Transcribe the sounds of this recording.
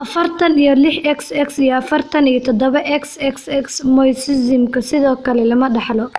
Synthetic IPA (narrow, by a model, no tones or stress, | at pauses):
ʔɐfɐrt̪ʰɐnijɔlɪħɛksɛksijɔɐfɐrt̪ʰɐnijɐt̪ʰɔd̪ɔβɐʔɛksɛksɛksmɔjsɪsɪmkʰɐsɪðɔːkʰɐlɛlɐmɐɖɑħlɔ